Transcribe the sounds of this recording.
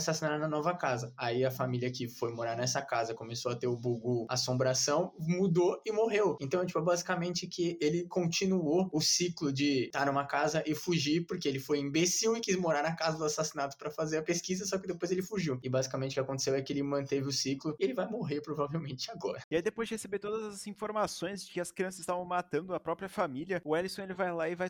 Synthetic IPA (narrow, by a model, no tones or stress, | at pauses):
sasinad̪ɐnɐnɔvɐkazɐaiɐfamiljɐkɪfojmoɾaɾnɛsɐkazɐkõmesoɐt̪eɾʊbuɡua̰sõbɾasɐ̃w̃mud̪oɪmoɦewẽt̪ɐ̃w̃ɛt͡ʃipɛbazikamẽnt͡ʃɪkʰɪelɪkõnt͡ʃĩnuoʊsiklʊd͡ʒɪt̪aɾnũmɐkazɐʔɪfuʒiɾpoɾkeelɪfojĩbesiwɪkizmoɾaɾnɐkazɐd̪ʊzasasinat̪ʊ̥spɾɐfazeɾɐpeskizɐsɔkɪd̪epojzelɪfuʒiwɪbazikamẽt͡ʃɪʊkɪakõt̪e̥s̬ewɛkɪelɪmɐ̃nt̪evɪʊsiklʊɪelɪvajmoɦeɾpɾovavewmẽnt͡ʃɪaɡɔ̰ɾɐiaid̪epojzd͡ʒɪhesebet̪od̪ɐzɐzĩfoɾmasõj̃zd͡ʒɪkɪɐskɾiɐ̃s̬ɐzɪ̥st̪avɐ̃w̃mat̪ɐ̃nd̪ʊɐpɾɔpɾiɐfamiliɐʊɛlisõelɪvajlaɪvaj